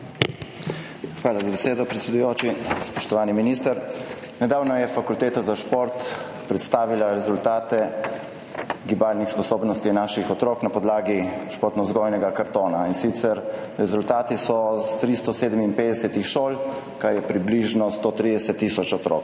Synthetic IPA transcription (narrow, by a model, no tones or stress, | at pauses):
xʋaːlazabɛseːd̪ɔpɾɛt̪sʲɛd̪ujoːt͡ʃispɔʃt̪ɔʋaːniminist̪əɾ | nɛd̪aːwnɔjɛfakult̪eːt̪azaʃpoɾt̪ | pɾɛt̪st̪aːʋilaɾɛzult̪aːt̪ɛ | ɡibaːlnixspɔsoːbnɔst̪inaːʃixɔt̪ɾoːknapɔd̪laːɡiʃpoːɾt̪nɔzɡɔjnɛɡakaɾt̪oːnainsit̪sɛɾɾɛzult̪aːt̪isɔst̪ɾist̪ɔseːd̪əminpeːd̪ɛsɛt̪ixʃoːl | kaɾjɛpɾibliʒnɔst̪ot̪ɾid̪ɛsɛt̪ːiːsɔt͡ʃɔt̪ɾo̰k